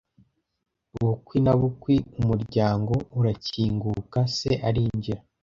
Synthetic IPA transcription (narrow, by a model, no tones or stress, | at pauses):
uβukwinaβukwiumuɾɟaːŋɡo̞uɾaciːŋɡukase̞ʔaɾiːɲɟiɾa